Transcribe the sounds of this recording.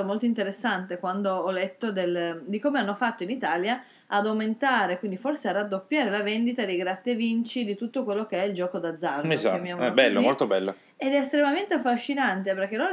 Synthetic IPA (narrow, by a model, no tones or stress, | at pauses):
omolt̪oint̪eɾesːant̪ekwand̪oɔlːet̪ːod̪eld̪ikomeanːofat̪ːoinit̪aːljaː | d̪awment̪aːɾekwind̪iforsearad̪ːopːjaːɾelavend̪it̪ad̪ejɡɾat̪ːevint͡ʃid̪it̪ut̪ːokwelːokeɛild͡ʒɔːkod̪ad̪zːarzamːiobɛlːomolt̪obɛlːo̰ | ed̪ɛːst̪ɾemament̪eafːaʃːinant̪eperk̟elo